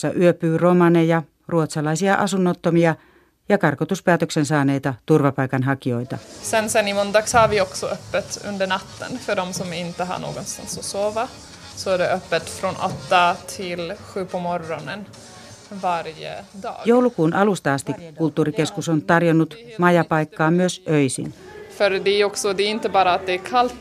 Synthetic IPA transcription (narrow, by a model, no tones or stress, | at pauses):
sɑʔyøpyːromɑnejɑ | ruot̪sɑlɑisiɑʔɑsunːot̪ːomiɑ | jɑkɑrkot̪uspæːt̪øksensɑːnejt̪ɑt̪urʋɑpɑjkɑnɦɑkio̞it̪ɑ̰sɛnsɛnːɪmɔnd̪ɑːɡshɑɾvɪɔksɔœpːət̪ɵ̰nd̪əɳat̪ːə̰nfœɖɔmsɔmɪnt̪ːəɦa̰ɳo̰ːɡɔnst̪a̰nsɔsoːva | sɔæɖɛʔœpːət̪fɾoːnʔɔ̰t̪ːat̪ʰɪlɧʉ̟ːpʰɔmɔɾɔnən | vaɾjə̰d̪ɑ̰ːɡjowlukuːnʔɑlust̪ɑɑst̪ikːult̪ːuːɾike̞skusont̪ɑrjonːut̪mɑjɑpɑjkːɑːmyøsʔøjsḭnfœɾd̪ɛæɾɔksɔd̪ɛæɾɪnt̪əbɑːɾaːt̪̚d̪ɛæɾkʰalt̪